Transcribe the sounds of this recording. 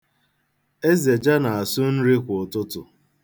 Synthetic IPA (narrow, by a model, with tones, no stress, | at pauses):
e˦ze˨d͡ʒa˦na˨a˨sʊ˦n̩˦ɾi˦kʷo˨tʊ˦tʊ̰˨